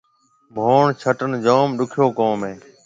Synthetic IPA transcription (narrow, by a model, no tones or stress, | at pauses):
mʱoːɳt͡ʃʰəʈənd͡ʒoːmɗʊkʰjoːkõːmẽː